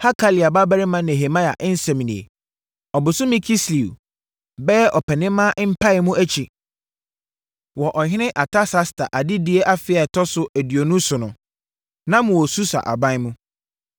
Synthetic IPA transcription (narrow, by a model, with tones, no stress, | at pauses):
ha˦kʰa˦li˨a˨ba˦ba˦ɾɪ˦mã˦nɛ˨ɦe˨mã˦ja̰˨ʔɛ˦n̩˦sɛ˨mĩ˨nḭ̃˨ḛ˨ | ɔ˨bʊ˨sʊ˦mĩ˦kʰi˦sli˨u˨ | bɛ˦ɛ˦ʔɔ˨pʰɛ˨nɪ̃˦mːã˦ʔm̩˦pʰa˦ɛ˨mʊ̃˦æ˦t͡ɕʰi˨ | wɔ˨ʔɔ˨ɦɪ̃˦nɪ̃˦ʔa˨tʰa˦sa˦stʰa̰˨ʔa˨dɪ˦di˦e˦ʔa˦fɪ˨˦a˨tʰɔ˦sʊ˦ʔæ˨di˨o˨nũ˦sʊ˨nʊ̃˨ | nã˦mʊ̃˨wɔ˨su˦sa̰˨ʔa̰˨bã˦ɪ˦mʊ̃˦